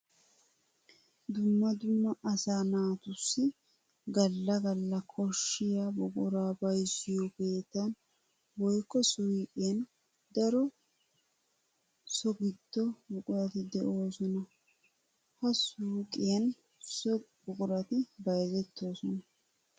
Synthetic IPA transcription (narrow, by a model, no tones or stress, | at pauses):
d̪ʊmːɐd̪ʊmːɐʔɐsaːnaːt̪ʊsːɪ | ɡɐlːɐɡɐlːɐkʰɔʃːɪjabʊkʼʊɾaːbɐjsɪjɔke̞ːt̪ːɐn | wɔjkːɔsukʼɪjɐn | d̪ɐɾɔ | sɔɡɪd̪̥ːɔbʊkʼʊɾɐt̪ɪd̪ɛʔo̞ːsɔnɐ | hɐsuːkʼɪjɐn | sɔbʊkʼʊɾɐt̪ɪbɐjzɛt̪ːo̞ːsɔnɐ